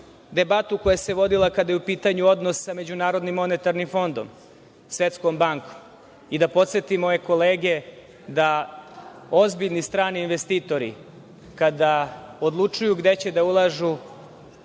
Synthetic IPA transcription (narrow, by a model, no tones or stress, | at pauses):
d̪e̞bat̪uko̞jese̞ʋo̞d̪ilˠakad̪ajeupiːt̪aɲuo̞d̪nosːsame̞d͡ʑunaːɾo̞d̪nimːo̞net̪aɾnimfo̞nd̪om | sʋe̞t̪skombaŋko̥m | id̪apo̞t̪se̞t̪imo̞je̞ko̞leːɡe̞ | d̪a | o̞zbiʎnist̪ɾaːniːnʋest̪iːt̪o̞ɾḭ | kad̪aod̪lˠut͡ʂujuɡd̪e̞t͡ɕe̞d̪aulˠaʒu